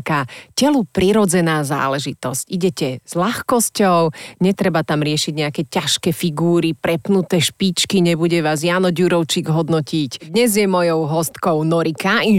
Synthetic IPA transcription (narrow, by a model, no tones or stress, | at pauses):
kacɛlupɾiɾɔd͡zɛnaːza̰ːlɛʒit̪ɔsciɟɛcɛz̥laxkɔscɔʊɲɛt̪ɾɛbat̪amɾɪɛʃiɟɲɛakɛcaʃkɛfiɡuːɾipɾɛpnut̪ɛʃpit͡ʃkiɲɛbuɟɛʋaːzjaːnɔɟuɾɔʊt͡ʃiɡɦɔd̪nɔcicd̪ɲɛzjɛmɔjɔʊɦɔst̪kɔʊnɔɾikai